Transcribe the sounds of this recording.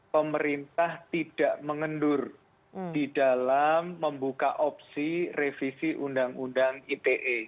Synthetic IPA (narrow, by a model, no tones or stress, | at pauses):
pəməɾint̪aht̪id̥aʔməŋəndʊr | d̥id̥alamːəmbuka̰ʔɔp̚sirefisiʔundaŋundaŋit̪eʔe